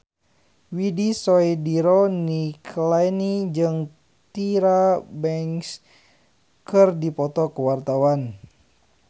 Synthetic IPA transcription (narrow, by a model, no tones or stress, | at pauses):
widisɔidiɾɔnikʰlajnid͡ʒɨŋ | t̪iɾabɛŋs | kɨrdipɔt̪ɔkəwart̪awan